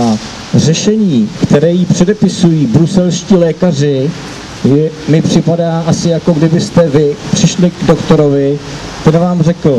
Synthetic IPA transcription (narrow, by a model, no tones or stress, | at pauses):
a | r̝ɛʃɛɲiːkt̪ɛɾɛːjipr̥ɛdɛpɪsujiːbɾusɛlʃciːlɛːkar̝ɪ | jɛmɪpr̝̥ɪpadaːʔasɪjako̞ɡdɪbɪst̪ɛvɪpr̥ɪʃlɪɡdokt̪o̞ɾo̞vɪ | t̪ɛnvaːmrɛkl̩